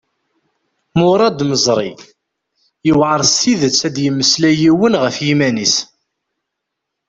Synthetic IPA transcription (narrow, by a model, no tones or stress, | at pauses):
mʊɾˤɑd̪məzˤɾˤḭ | jəwʕəɾˤsiðət͡sːæd̪jəmːəslæjiwənʁəfjimænis